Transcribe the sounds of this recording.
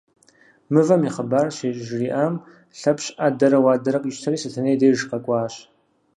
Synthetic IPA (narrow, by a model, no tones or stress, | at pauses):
mɨvɐmiχəbaːrɕeːɕʼʒriːʔam | ɬɐpɕʼʔadɐɾɐwaːdɐɾɐqʷʼiʃtʰɐɾiːsɨtʰɐnejdejʒqɐkʷʼaːɕ